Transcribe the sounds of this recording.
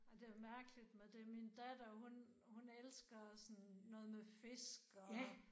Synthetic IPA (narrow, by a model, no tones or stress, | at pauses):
ɑd̥e̝æmæɐɡ̥əlid̥med̥e̝mind̥æd̥ɐɦun | hunelsɡ̥ɐsɔnːɔ̽ːð̞̩ˠmefe̝sɡ̥